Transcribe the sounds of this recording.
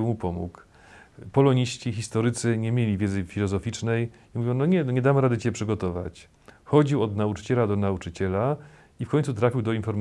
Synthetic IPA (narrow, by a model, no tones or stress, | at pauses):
mupɔmṵk | pɔlɔɲiɕt͡ɕixʲist̪ɔɾɘt̪sɘɲɛmʲjelʲivʲjɛd̪zɘfʲilɔzɔfʲit͡ʂnɛj | imuvʲjɔ̃w̃nɔɲɛɲɛd̪amɾad̪ɘt͡ɕɛpʂɘɡɔt̪ɔva̰t͡ɕ | xɔd͡ʑiwɔd̪naut͡ʂɘ̥t͡ɕɛlad̪ɔnaut͡ʂɘt͡ɕɛla | ifkʰɔɲ̃ʲt̪sut̪ɾafʲiwd̪ɔinfɔɾm